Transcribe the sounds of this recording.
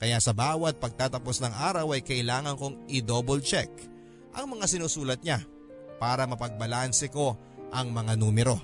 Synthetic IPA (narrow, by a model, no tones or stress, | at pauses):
kɐjaʔsɐbaːwɐt̪̚pɐɡ̚t̪aːt̪ɐpo̞snɐŋʔaːɾɐwɐjkɐʔɪlaːŋɐnkoŋʔɪd̪obolt͡ʃɛk̚ | ʔɐŋmɐŋasɪnuːsuːlɐt̪̚ɲa | paːɾɐmɐpɐɡ̚bɐlansɛko̞ | ʔɐŋmɐŋanuːmɛɾo̞